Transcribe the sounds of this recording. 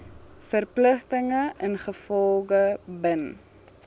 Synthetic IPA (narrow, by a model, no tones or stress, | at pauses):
fərpləχtəŋəənχəfɔlˠɡəbən